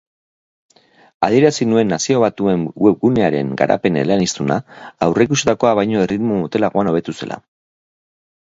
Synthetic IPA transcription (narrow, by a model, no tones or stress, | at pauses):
að̞ie̞ɾasinue̞nːasio̞β̞at̪ue̞ŋwe̞βɡune̞aɾe̞̰ŋɡa̰ɾʔa̰pe̞nḛlanist̪una̰ːwre̞k̬usit̪ako̞aβajɲo̞e̞rit̪momot̪e̞laɣoano̞β̞e̞t̪use̞la̰